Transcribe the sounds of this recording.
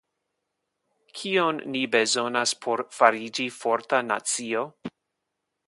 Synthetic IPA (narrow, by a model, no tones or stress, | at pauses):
kʰionːibe̞zo̞naspʰo̞ɾfaɾid͡ʒifo̞ɾtana̰t͡sio̞